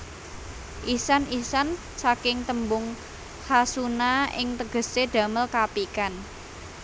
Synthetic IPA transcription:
ʔisanisan | t͡ʃakɪŋt̪əmbʊŋ | hasunaɪ̰ŋt̪əɡ̥ə̤sed̥ä̤məlkapikan

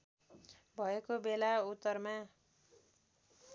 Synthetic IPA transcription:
bʱʌekobelaut̪ːʌrma

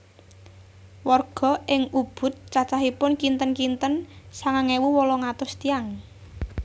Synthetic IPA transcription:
wɔrɡ̥ɔ̤ʔɪŋub̥ʊ̤t̪̚t͡ʃat͡ʃaɦipʊnkint̪ənkint̪ənsaŋaŋewuwɔlɔŋat̪ʊst̪iaŋ

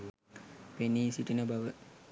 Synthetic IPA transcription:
peniːsiʈinəbaʋə

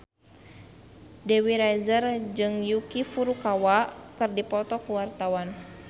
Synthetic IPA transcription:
dɛwiɾajzərd͡ʒɨŋjukifuɾukawakɨrdipɔt̪ɔkuwart̪awan

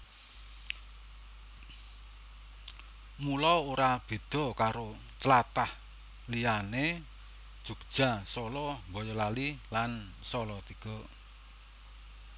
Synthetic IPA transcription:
mulɔwoɾab̥e̤d̪̥ɔ̤kaɾo | t̪lat̪ah | lijane | d̥ʒ̥ṳkd̥ʒ̥a̤sɔlɔbɔjɔlalilansɔlɔt̪iɡ̥ɔ

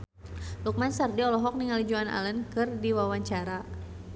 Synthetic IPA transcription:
luk̚mansardiɔlɔɦɔk̚niŋalid͡ʒuana̰lənkɨrdiwawaɲt͡ʃaɾa

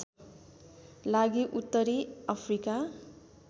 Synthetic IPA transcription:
laɡiʔut̪ːʌɾiapʰrika

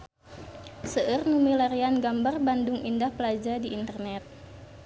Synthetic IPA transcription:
səʔərnumilaɾianɡambarbandʊŋʔindahpəlad͡ʒadiint̪ərnɛt̪̚

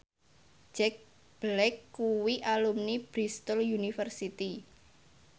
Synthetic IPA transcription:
d͡ʒɛk̚ | b̥lɛkːuwiʔalumnib̥ɾist̪əljunifərsit̪i

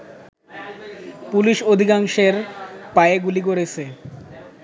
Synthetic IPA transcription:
puliʃod̪ʱikaŋʃeɾpaeɡulikoɾet͡ɕʰe

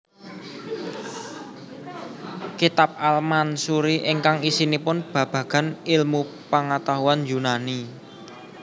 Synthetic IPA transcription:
kit̪ap̚almansuɾiʔɪŋkaŋisinipʊnb̥ä̤b̥ä̤ɡ̥a̤nɪlmu | pəŋat̪aɦuanjunani

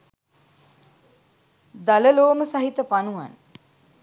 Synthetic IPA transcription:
d̪aləloːməsaɦit̪əpanuʋa̰n

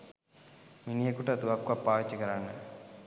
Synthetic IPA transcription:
minijekuʈət̪uʋakːuʋapːaːʋit͡ʃːɐkəɾanːə̰

